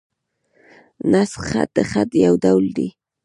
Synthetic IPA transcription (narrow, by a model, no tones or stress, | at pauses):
nasχa̰t̪̚d̪əχat̪jawd̪awld̪ḭ